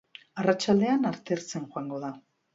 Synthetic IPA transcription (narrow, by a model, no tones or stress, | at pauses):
arat͡ʃald̪e̞anaɾt̪e̞ɾt͡senxoaŋɡo̞ða